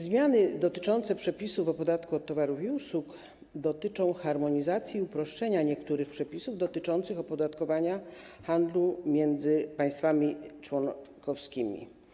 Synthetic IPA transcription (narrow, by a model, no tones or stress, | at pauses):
zmʲjanɘd̪ɔt̪ɘ̥t͡ʂɔnt̪sɛpʂɛpʲisuvɔpɔd̪at̪kuɔt̪ːɔvaɾufiusuk | d̪ɔt̪ɘt͡ʂɔ̃w̃xaɾmɔɲizat̪sʲjiupɾɔʂt͡ʂɛɲaɲɛkt̪uɾɘxpʂɛpʲisuvd̪ɔt̪ɘt͡ʂɔnt̪sɘxɔpɔd̪at̪kɔvaɲa | xand̪lumʲjɛnd̪zɘpaj̃st̪famʲit͡ʂwɔnkɔfskʲimʲḭ